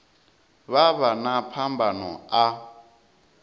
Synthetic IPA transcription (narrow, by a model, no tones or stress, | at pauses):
βaβanapʰambʱanɔ̰a